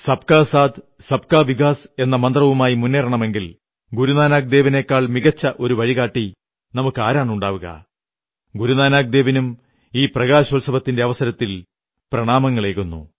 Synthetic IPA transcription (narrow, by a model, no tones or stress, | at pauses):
sɐb̚kaːsaːd̪ | sɐbkaːʋiɡaːse̞nːɐmɐnd̪rɐʋumaːjimunːeːrɐɳɐme̞ŋɡil | ɡuɾunaːnaːɡ̚d̪e̞ːʋɐne̞ːkːaːɭmiɣɐt͡ɕːɐʔo̞ɾuʋɐɻiɣaːʈːi | nɐmukːɨaːɾaːɳuɳɖaːʋuɣɐ̰ | ɡuɾunaːnaːɡ̚d̪e̞ːʋɐnum | iːprɐɣaːɕolsɐbɐt̪ːinde̞ɐʋɐsɐɾɐt̪ːil | prɐɳaːmɐŋːɐɭe̞ːɣunːṵ